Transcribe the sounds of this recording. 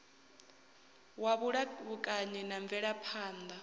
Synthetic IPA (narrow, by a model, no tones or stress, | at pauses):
waβuɺaβukʼaɲɛnaɱvɛɺapʰaːnd̪a